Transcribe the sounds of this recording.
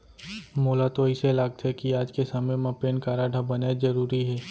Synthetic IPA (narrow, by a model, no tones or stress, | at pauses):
moːlat̪oɪselaːɡ̚t̪ɦɛkiaːd͡ʒkesɐməjmãpeːnkaːɾaɖʱabɐnezɐɾuːɾiɦɛː